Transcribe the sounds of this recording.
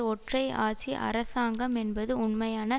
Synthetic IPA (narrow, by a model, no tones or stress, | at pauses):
ɔʈrɐɪa̰ːt͡ʃiʔɐ̰ɾɐsaːŋɡɐmɛnbɐðɯʊɳmɐjaːnɐ